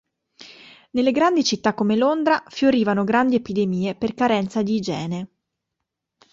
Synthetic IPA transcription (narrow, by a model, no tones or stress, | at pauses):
nelːeɡɾand̪it͡ʃit̪ːakːomelond̪ɾafjoɾiːvanoɡɾand̪iepid̪emiːeperkaɾɛnt̪sad̪id͡ʒɛːne